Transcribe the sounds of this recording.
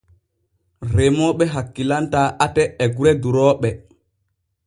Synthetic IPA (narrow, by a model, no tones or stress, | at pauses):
ɾɛmɔːɓɛɦakːilantaːʔatɛːɡuɾɛduɾɔːɓɛ